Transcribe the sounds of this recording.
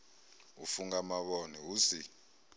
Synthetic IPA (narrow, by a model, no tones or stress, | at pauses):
ufuŋɡamaɓɔniuːsi